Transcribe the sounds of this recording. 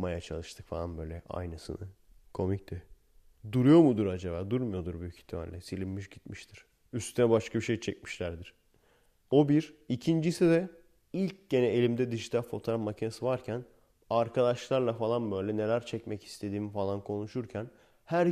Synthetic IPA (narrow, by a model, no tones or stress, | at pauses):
majat͡ʃʰalˠɯʃt̪ʰɯkfalˠanbø̞ːjlʲɛʔa̰jnɯsɯ̰nɯ | kʰo̞mict̪ʰɛ | d̪uɾujo̞mud̪uɾad͡ʒeβaːd̪uɾmujo̞d̪uɾbyjycʰi̥t̪ʰima̰lʲlʲːɛsilʲimːyʃɟit̪miʃt̪ʰiɾ̥ | yst̪ʰynɛbaʃkʰabiʃejt͡ʃʰɛc̚mi̥ʃlʲæɾd̪iɾ̥ | o̞biɾicʰind͡ʒisid̪ɛ | ilʲcɟ̥e̞nɛelʲimd̪ɛd̪iʒit̪ʰalʲfo̞t̪ʰo̞ɾafmacʰinesɯvaɾcʰæn | aɾkʰad̪aʃlˠaɾlˠafalˠanbø̞jlʲɛne̞lʲæɾt͡ʃʰɛcmɛci̥st̪ʰe̞d̪iːmifalˠankʰo̞nuʃuɾcʰæn | hæɾ